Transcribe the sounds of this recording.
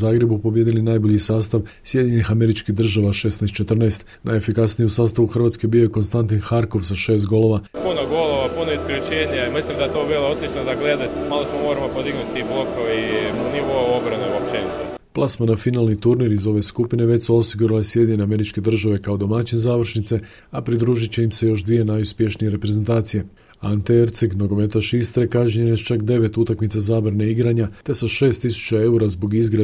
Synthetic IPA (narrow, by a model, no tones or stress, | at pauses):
zaːɡɾe̞bupo̞bjed̪ilinajbo̞ʎisaːst̪aʋsjed̪iɲe̞nixame̞ɾit͡ʃkiɦd̪r̩ʒaʋaʃe̞snast̪t͡ʃe̞t̪r̩naest̪ | nʔaje̞fikasnijeusaːst̪aʋuxr̩ʋat̪ske̞bijo̞jeko̞nst̪ant̪̬inxaɾko̞ʋsaʃe̞ːst̪ɡo̞lo̞ʋapunoɡoloʋapunoiskoɾit͡ɕeːɲamislimd̪aet̪oːbiːlˠoot̪it͡ʃnod̪aɡled̪at̪smaːlˠost̪omoɾamopod̪iɡnut̪t̪ːiblˠokoʋniʋoaobɾaneuapʃt͡ʃ̪eːnit̪o | plˠasmanafinaːlˠnit̪uɾniɾizo̞ʋe̞skupine̞ʋe̞t̪suo̞siɡuɾilasje̞d̪ɲe̞neame̞ɾit͡ʃke̞d̪r̩ʒaʋe̞kao̞d̪o̞mat͡ɕinzaːʋr̩ʃnit̪se̞ | apɾid̪ɾuːʒit͡ɕe̞imse̞jo̞ʃd̪ʋije̞najuspje̞ʃnije̞ɾe̞pɾe̞zent̪aːt̪sije̞ | ant̪eeɾt̪seɡno̞ɡo̞me̞t̪aʃist̪ɾekaʒɲenest͡ʃakd̪e̞ʋe̞t̪ut̪akmit̪sazaːbɾaneiɡɾaɲat̪e̞saʃe̞ːst̪ːisu̥t͡ɕae̞uɾazbo̞ɡizɡɾa